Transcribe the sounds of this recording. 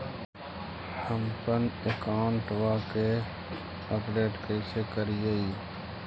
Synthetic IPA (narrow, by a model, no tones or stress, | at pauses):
həmpənekaːɳʈʋake | əpɖeːʈkəɪsekəɾijeiː